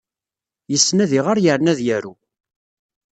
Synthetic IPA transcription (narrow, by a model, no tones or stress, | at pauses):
jəsːnæðiʁaɾjəɾnæðjæɾu